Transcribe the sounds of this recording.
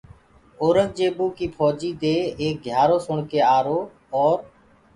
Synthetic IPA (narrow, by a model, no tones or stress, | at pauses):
oːɾək̚d͡ʒeːbuːkiːpʰɔːd͡ʒiːd̪eːeːk̚ɡʱjaːɾoːsʊɳkeːaːɾoː | ɔːɾ